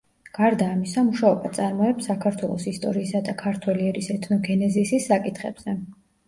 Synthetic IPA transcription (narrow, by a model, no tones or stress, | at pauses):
ɡ̥aɾd̪aːmisamuʃaɔbat̪sʼaɾmɔɛpsːakʰaɾt̪ʰwɛlˠɔ̰sist̪ʼɔɾiːsad̪akʰaɾt̪ʰwɛliɛɾisɛt̪ʰnɔɡɛnɛziːsisːakʼit̪ʰχɛ̰b̥z̥ɛ